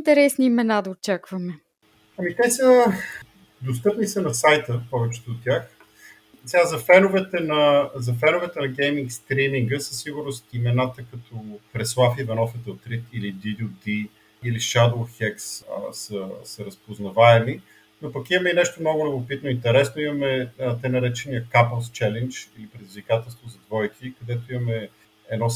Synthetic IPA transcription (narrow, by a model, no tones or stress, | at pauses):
nt̪ɛɾɛsniːmɛnad̪ɐot͡ʃakvɐmɛ | ɐmikajsə | d̪os̬t̪ɤpnisənɐsajt̪əpɔvɛt͡ʃɛ̥t̪oot̪ːʲjax | sɛɡazɐfɛnovɛt̪ɛnɐzɐfɛnovɛt̪ɛnɐɡɛjmiŋkst̪ɾimiŋɡəsɐsːiɡʊɾnʊst̪imɛnat̪əkɐt̪ʰɔpɾɛslˠafivɐnɔfɛt̪ɛot̪ɾit̪ilid̪id̪ud̪i | iliʃad̪lˠxɛkssəsɐɾɐspoznɐvaɛmi | nopɐkimɐmɛinɛʃt̪omnoɡʊlɛbopit̪noint̪ɛɾɛsnoimɐmɛt̪ɛjnɐɾɛt͡ʃɛniəkapəlˠst͡ʃɛlɛnd͡ʒilipɾɛd̪izvikat̪ɛlˠst̪vozɐd̪vɔjkikɐd̪ɛt̪oimɐmɛ | ɛd̪nɔ